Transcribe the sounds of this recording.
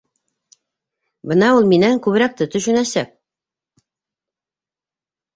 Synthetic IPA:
bɤnɑulˠminæŋkʉβɾæk̚t̪ɵt̪ɵ̆ʃɵ̆næsæk̚

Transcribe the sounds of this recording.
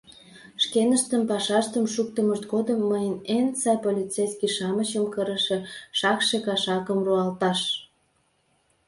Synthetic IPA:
ʃkenəʃt̪əmpɑʃɑʃt̪əmʃuk̚t̪əməʃt̪ɡod̪əmːəjənent͡sɑjpolʲit͡sejskiʃɑməɕəmkəɾə̆ʃeʃɑkʃekɑʃɑkəmruɑlt̪ɑʃ

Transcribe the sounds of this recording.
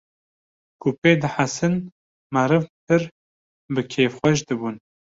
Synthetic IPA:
kʰupeːd̪ɨħasɨn | maɾɨvtʰɨɾ | bɨkʰeːfxʷɛʃd̪ɨbun

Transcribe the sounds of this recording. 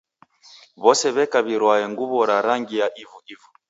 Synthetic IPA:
βɔsɛβɛkaβiɾwaɛŋɡuβɔɾaɾaŋɡijaʔivuivu

